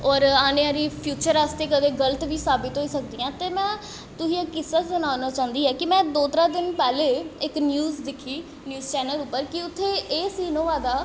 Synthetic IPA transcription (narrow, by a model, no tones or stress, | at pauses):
ɔːɾaːnẽːaːɾiːpʰjuːt͡ʃəɾaːst̪eːkəʋeːɡələt̪ʋiːsaːbɪt̪ɦoːiːsək̚d̪iːãːt̪eːmɛ̃ː | t̪ʊɦiːekːɪsat͡ʃbənaːnaːt͡ʃãːʊ̃nd̪iːɦɛːkɪmɛ̃ːd̪oːt̪ɾaːd̪ɪnpɛːleːɪknjuːzd̪ɪkʰːiː | njuːzt͡ʃɛːnəlʊpːəɾkɪʊt̪ʰːeːʔeːsiːnõːʋaːd̪aː